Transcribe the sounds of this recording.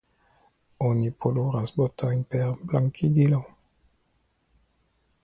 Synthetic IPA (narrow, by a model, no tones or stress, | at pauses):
onipʰoluʁasbot̪aɲpɛʁblaŋkʰiɡ̪ilaw